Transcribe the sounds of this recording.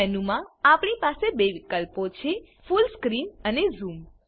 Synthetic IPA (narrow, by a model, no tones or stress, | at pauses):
ɛnumãapɳipasebeʋikəlpot͡ʃʰe | fulskɾinənezum